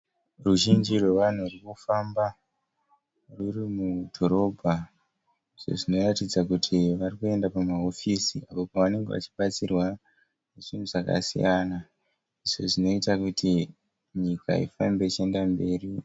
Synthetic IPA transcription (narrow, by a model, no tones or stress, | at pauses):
ruʒind͡ʒirwe̞ʋan̤urikufamba | rurimudʱo̞ɾo̞bʱa | iʐ̥o̞̰ʐino̞ratid͡zakutʰiʋarikue̞ndapamao̞fisiapopaʋane̞ŋɡe̞ʋa̰t͡ʃi̥ɓat͡sirwa | neʐin̤uʐaka̰sḭjana | iʐo̞̰ʐino̞itakuti | ɲika̰ḭfambe̞it͡ʃie̞ndambe̞ːri